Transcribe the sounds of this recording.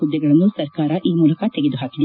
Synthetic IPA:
ud̪ːɐɡɐɭɐnːusɐɾkaːɾaʔiːmuːlɐkat̪eɡed̪uɦaːkili

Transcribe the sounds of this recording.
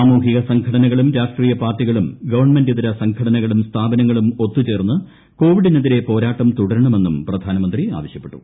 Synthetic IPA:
aːmuːkiɣɐsɐŋɡkʰɐɽɐnɐɣɐɭumɾaːʂʈriːjɐpaːrʈːiɣɐɭumɡɐʋɐrɳme̞ndiðiɾɐsɐŋɡʰʱɐɽɐnɐɣɐɭumst̪ʰaːbɐnɐŋːɐɭumo̞t̪ːut͡ɕe̞ːrnːɨ | ko̞ːʋiɽineðiɾe̞po̞ːɾaːʈːɐmt̪uɽɐɾuɳɐme̞nːumprɐd̪ʱaːnɐmɐnd̪ria̰ːʋɐɕjɐpːe̞ʈːu̥̰

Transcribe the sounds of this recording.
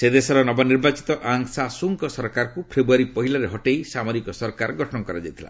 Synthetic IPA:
sed̪esɔɾɔnɔbɔniɾbat͡ʃi̥t̪ɔʔaŋsasuŋkɔsɔɾkaɾɔkupʰɾebuaɾipɔɦilaɾeɦɔʈejsamɔɾikɔsɔɾkaɾɔɡɔʈʰɔnɔkɔɾad͡ʒajt̪ʰila̰

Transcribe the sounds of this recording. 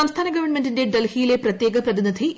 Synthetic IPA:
ɐmst̪ʰaːnɐɡɐʋɐrɳmendinde̞ɖelhijile̞prɐt̪je̞ːɡɐprɐðinːid̪ʱi

